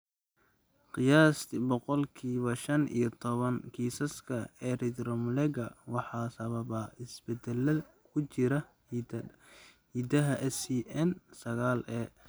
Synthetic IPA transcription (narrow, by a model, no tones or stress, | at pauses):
qɪjaːsbɔqɔlkʰiːβɐʃɐnḭjɞt̪ʰɔβɐnkʰiːsɐskʰɐɛːrid̪ɾɔmlɛɡɐwɑħɑːsɐβɐbɐɪsbɛd̪ɛlɐ | kʰʊt͡ʃɪɾɐ | h | hiːd̪ɐɦɐʔɛsiʔɛnsɐɣaːlɛː